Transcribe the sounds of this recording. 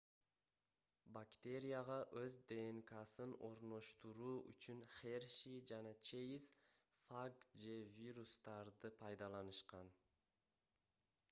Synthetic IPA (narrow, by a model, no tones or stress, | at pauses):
bakt̪ʲe̞ɾʲijaʁɑʔøzd̪e̞ŋkɑsɯno̞ɾno̞ʃt̪uɾuːy̰t͡ʃynχerʃid͡ʒɑnɑt͡ʃʰejis | faɡd͡ʒe̞vʲiɾust̪ɑɾd̪ɯpʰɑjd̪ɑlˠɑnɯʃqɑn